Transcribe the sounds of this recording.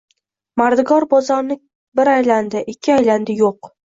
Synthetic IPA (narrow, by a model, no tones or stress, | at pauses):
maɾd̪ɪɡɒɾbɒzaɾnɪ | bɪɾajland̪ɪʔɪkʲʰːɪajland̪ɪjoq